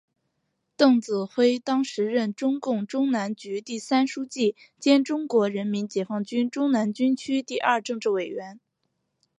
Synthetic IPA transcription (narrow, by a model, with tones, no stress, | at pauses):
t̪ɤ˥˩ŋt͡sɹ̩˨˩xwe˥ɪt̪ɑ˥ŋʂɻ̩˧˥ɻə˥˩nʈ͡ʂʊ˥ŋkʊ˥˩ŋʈ͡ʂʊ˥ŋna˧˥nt͡ɕy˧˥t̪i˥˩sa˥nʂu˥t͡ɕi˥˩ | t͡ɕjɛ˥nʈ͡ʂʊ˥ŋkwɔ˧˥ɻə˧˥nmi˧˥nt͡ɕjɛ˨˩fɑ˥˩ŋt͡ɕy˥nʈ͡ʂʊ˥ŋna˧˥nt͡ɕy˥nt͡ɕʰy˥t̪i˥˧ʔɐ˞˥˧ʈ͡ʂɤ˥˧ŋʈ͡ʂɻ̩˥˩we˨˩ɪɥɛ˧˥n